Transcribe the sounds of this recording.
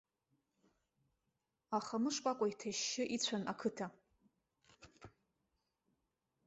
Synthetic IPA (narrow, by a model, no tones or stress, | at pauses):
aχamɨʂkʷʼakʷʼaitʰaʃːɪʔit͡ɕʷʰanakʰɨtʰa